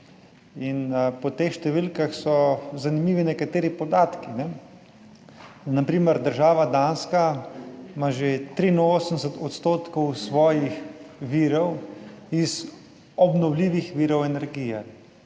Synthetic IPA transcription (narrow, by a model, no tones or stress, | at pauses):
inpɔt̪exʃt̪ɛʋilkaxsɔzanimiːʋinɛkat̪eːɾipɔd̪aːt̪kinɛ | napɾiːmɛɾd̪əɾʒaːʋad̪anska | maʒet̪ɾinoːsən̩sɛt̪ɔt̪st̪oːt̪kɔwsʋɔːjixʋiːɾɔwiz | ɔbnɔwliːʋixʋiːɾɔwɛnɛɾɡiːjɛ